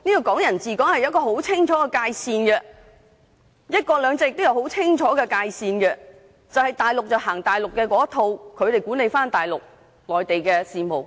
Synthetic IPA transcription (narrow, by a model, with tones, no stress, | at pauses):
niː˥kɔː˧kɔː˨˥ŋjɐ˨˩nt͡siː˨kɔː˨˥ŋhɐ˨jɐ˥t̚kɔː˧ho˨˥wt͡sʰɪ˥ŋt͡ʃʰɔː˨˥kɛ˧kaː˧jsiː˧nɡɛ˧ | jɐ˥t̚kɔː˧lœː˨˧ŋt͡saː˧jɪ˨k̚t̪wjɐ˧˥who˨˥wt͡sʰɪ˥ŋt͡ʃʰɔː˨˥ɡɛ˧kaː˧jsiː˧nɡɛ˧ | t͡sɐ˨whɐ˨jt̪aː˨˩jlʊ˨k̚t͡sɐ˨whaː˨˩ŋt̪aː˨˩jlʊ˨kːɛː˧kɔː˨˦˥t̪ʰo˧wkʰɵ˨˧ɥt̪e˨jkuː˨˥ne˨˧jfaː˥nt̪aː˨˩jlʊ˨k̚ | lɔː˨˩jt̪e˨jkɛː˧siː˨˧mo˨w